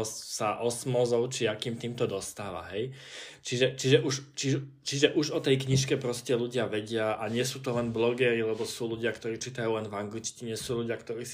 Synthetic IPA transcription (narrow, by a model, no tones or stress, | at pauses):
saʔɔsmɔzɔʊt͡ʃiakiːmt̪iːmt̪ɔd̪ɔst̪aːʋa̰ɦɛj | t͡ʃiʒɛt͡ʃiʒɛʔuʒt͡ʃiɛt͡ʃiʒɛʔuʒɔt̪ɛjkɲiʃ̬kɛpɾɔscɛluɟɪaʋɛɟɪaʔaɲɪɛsuːt̪ɔlɛnblɔɡɛːɾilɛbɔsuːluɟɪakt̪ɔɾiːt͡ʃiːt̪ajuːlɛnvaŋɡlit͡ʃciɲɪɛsuːluɟɪakt̪ɔɾiːs